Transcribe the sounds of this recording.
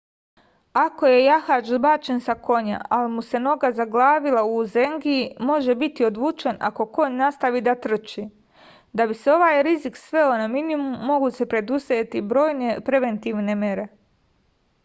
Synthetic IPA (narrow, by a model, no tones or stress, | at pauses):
ako̞je̞jaxad͡ʒzbat͡ʃe̞nsako̞ɲa̰alimuse̞no̞ɡazaɡlˠaːʋilauzeŋɡiimo̞ʒe̞bit̪io̞d̪ʋuːt͡ʃe̞na̰ko̞ko̞ɲnast̪aʋiːd̪at̪r̩t͡ʃi | d̪abiseo̞ʋaːjɾiziksʋe̞onaminimumːo̞ɡuse̞pɾe̞d̪uset̪ibɾo̞ːjnepɾe̞ʋe̞nt̪iʋne̞me̞ɾe̞